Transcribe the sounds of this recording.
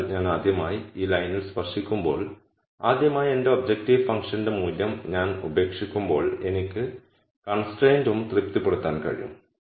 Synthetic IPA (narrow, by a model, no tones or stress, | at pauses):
ɲaːnaːd̪jɐmaːjiiːlɐjnilspɐrʂikʲːumbo̞ːɭ | aːd̪jɐmaːje̞nde̞ob̚d͡ʑek̚tiʋfɐŋkʂɐnde̞muːljɐmɲaːnube̞ːkʂikʲːumbo̞ːɭe̞̰nikʲːɨ | kɐɳsʈreːndumt̪ript̪ːipːeɽut̪ːaːnkɐ̰ɻḭjṵm